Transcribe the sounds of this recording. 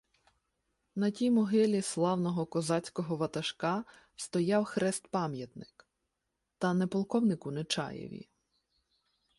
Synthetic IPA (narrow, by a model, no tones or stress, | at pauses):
nɐtʲijmɔɦɪlʲislˠɑwnɔɦɔkɔzɑt͡sʲkɔɦɔʋɐt̪ɐʃkɑ | st̪ɔjɑwxɾɛst̪pɑmʲjɐt̪nɪ̥k | t̪ɐnɛpɔlˠkɔwnɪkʊnet͡ʃɑ̰jḛʋʲḭ